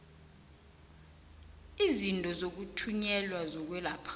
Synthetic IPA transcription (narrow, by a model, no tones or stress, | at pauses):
izintʼɔzok̬utʰuɲɛlwazɔk̬wɛlapʰ